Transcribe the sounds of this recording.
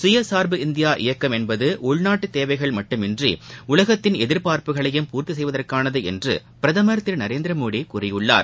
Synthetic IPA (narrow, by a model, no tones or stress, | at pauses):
sʊjɐsaːɾbɯɪnd̪ɪjaːʔɪ̰jɐkːɐmɛnbɐðɯʔʊɭnaːʈːɯt̪ːeːʋɐɪɣɐɭmɐʈːɯmɪndriʊlɐɣɐt̪ːɪnɛðɪɾpaːɾpɯɣɐɭɐjɯmpuːɾt̪is̬ɛjʋɐðɐrkaːnɐðɯɛ̰ndrɯ̰ppɪɾɐðɐmɐɾɐt̪ːɪɾnɐɾeːnd̪ɪɾɐmoːɽikurɐjɯɭːa̰ːɾ